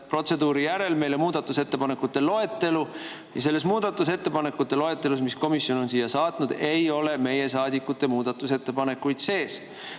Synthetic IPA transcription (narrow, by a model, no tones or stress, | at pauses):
pro̞t̪se̞d̪uːɾijæɾe̞lme̞jlomuːd̪̥ɑt̪ːˑuse̞t̪ːe̞pɑne̞kːut̪ːˑe̞lo̞e̞t̪ːe̞lu | jɑs̬e̞lːe̞s̬muːd̪̥ɑt̪ːˑuse̞t̪ːepɑne̞kːut̪ːˑe̞lo̞e̞t̪ːˑe̞lusmisko̞misjo̞no̞nsiːjːɑsɑːt̪nud̪̥e̞jo̞le̞me̞je̞sɑːd̪ikːˑut̪ːe̞muːd̪̥ɑt̪ːˑuse̞t̪ːe̞pɑne̞kːujd̪̥se̞ːs